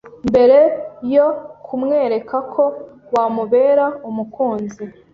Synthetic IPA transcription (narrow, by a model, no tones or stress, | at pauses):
mbe̞ɾe̞jokʰumŋe̞ːɾe̞kakʰo̞wamuβe̞ːɾaumukʰuːnzi